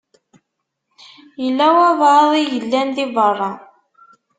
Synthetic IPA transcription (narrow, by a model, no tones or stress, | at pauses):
jəlːæwævðˤijəlːænðivərˤːɑ